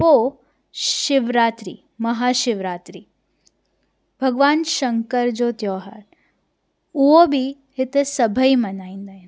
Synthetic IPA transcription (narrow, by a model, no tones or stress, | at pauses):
ʋo | ɪʋɾaːt̪ɾḭ | mɐɦaːʃɪʋɾaːt̪ɾi | bʱɐɡʋaːnʃɐŋkəɾd͡ʒot̪jɔːɦa̰ːɾ | uobʱi | hɪt̪sɐbʱəimɐnaːind̪ajn